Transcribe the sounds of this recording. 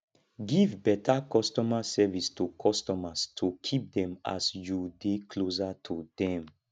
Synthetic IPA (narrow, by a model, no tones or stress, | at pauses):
ɡivbɛtakɔstɔmasɛvistukʰɔstɔmastʰukʰip̚dɛ̃ma̰sjudekʰlos̬atʰudɛ̃m